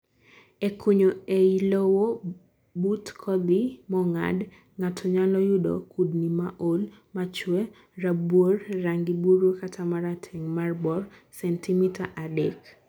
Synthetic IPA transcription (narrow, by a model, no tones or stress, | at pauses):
ekʰuɲoeilowo | butkʰɔd̪imɔŋa̰d | ŋatʰɔɲalɔjudɔ̰kudnimaʔolmat͡ʃwɛ | rabworːaŋɡibuɾukatʰamaɾatʰɛŋmarbɔrsɛntʰimitʰaʔadek